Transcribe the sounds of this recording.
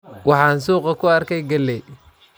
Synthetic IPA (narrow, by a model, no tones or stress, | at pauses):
wɑħɑːnsuːqɐkʰʊɐrkʰɛjɡɐlːɛj